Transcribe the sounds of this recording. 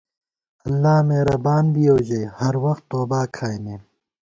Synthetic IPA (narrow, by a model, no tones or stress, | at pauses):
ɐlːaːmeːɾɐbaːnbioːd͡ʑɐjhɐɾwɐxt̪ːoːbaːkʰaːjmẽː